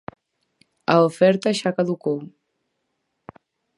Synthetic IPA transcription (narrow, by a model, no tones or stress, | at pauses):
aofɛɾt̪aʃakaðukow